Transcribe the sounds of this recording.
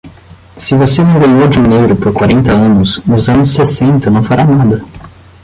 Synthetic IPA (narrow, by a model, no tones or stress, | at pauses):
sɪvosenɐ̃w̃ɡɐ̃jowd͡ʒɪũnewɾʊpoɾkwaɾẽnt̪ɐɐ̃nʊsnʊzɐ̃nʊsːesẽnt̪ɐnɐ̃w̃faɾanad̪ɐ